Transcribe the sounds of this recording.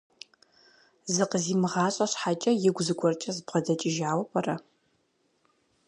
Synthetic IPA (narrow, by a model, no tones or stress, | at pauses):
zɨqəziːmɨʁɑːɕʼɐɕħat͡ʃʼɐjɪɡʷzɨɡʷɔrt͡ʃʼɐzbʁɐdɐt͡ʃʼɪʒaːwɐpʼɐrɐ